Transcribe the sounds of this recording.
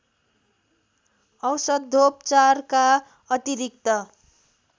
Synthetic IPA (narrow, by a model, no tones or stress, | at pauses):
ʌwsʌd̪ʱopt͡sarka | ʌt̪iɾik̚t̪ʌ